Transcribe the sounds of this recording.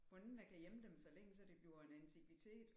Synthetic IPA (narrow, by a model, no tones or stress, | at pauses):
b̥ɔ̽nnækʰæjeməd̥emsɒ̽leŋ̰sɒd̥e̝b̥liʊɐe̝nænt͡sʰiɡ̥ʋit͡sʰe̝̰ːd̥